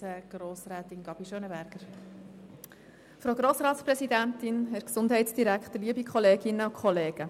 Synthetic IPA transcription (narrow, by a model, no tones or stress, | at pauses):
əɡ̥roːsɾɛːt̪ɪnɡɑb̥iʃøːnəbæɾɡ̥əɾ | fɾoɡɾoːsɾɑːtspɾɛsidænt̪ɪnɦɛksʊndɦɛɪtsd̥iɾækχt̪əliəbikʰχɔleːɡɪnːəʊkʰχɔleːɡ̥ə